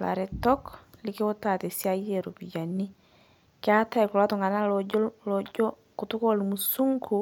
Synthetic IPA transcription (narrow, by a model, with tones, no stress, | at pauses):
la̰˨ɾetɔ˦kli˦ki˦o˦ta˨te˨sia˦jeɾo˨pi˨ɟanːi | ki˦a˦ta˦e˨ku˨la˦tu˨ŋa˨na˦loɟolod͡ʒo˦ | ku˨tu˦ko˦lu˨musu˦ŋkʰu